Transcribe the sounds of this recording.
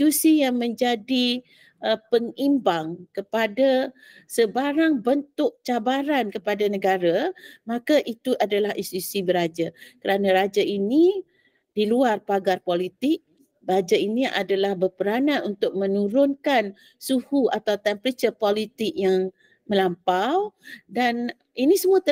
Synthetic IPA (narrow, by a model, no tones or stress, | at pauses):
susijaŋmə̃ɲd͡ʒadi | ʔəpəŋimbaŋkəpada | səbaɾaŋbənt̪ʊk̚t͡ʃabaɾankəpadanəɡaɾamãkaʔit̪uʔadalahʔisusibəɾad͡ʒakəɾanãɾad͡ʒaini | diluarpaɡarpolit̪ɪk̚ | bəad͡ʒainiʔa̰dalahbərpəɾanãnunt̪ʊk̚mə̃nuɾʊnkan | suhuat̪awt̪ɛmpɾit͡ʃəpolit̪ɪk̚jaŋ | mə̃lampawdan | inisəmuaə